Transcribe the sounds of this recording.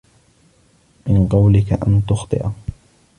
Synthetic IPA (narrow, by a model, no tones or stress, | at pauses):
mɪnqɑwlɪkaʔant̪ʊxt̪ˤɨ̰ʔ